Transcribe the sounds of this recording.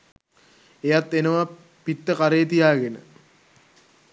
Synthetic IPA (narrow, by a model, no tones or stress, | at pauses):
ejat̪ːenəʋa | pit̪ːəkaɾejət̪̬ijaːɡenə̰